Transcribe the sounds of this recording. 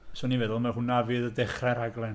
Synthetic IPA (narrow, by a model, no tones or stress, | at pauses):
sonivɛðʊlˠmahʊnːavɨðədɛχrɛɾaɡlˠɛn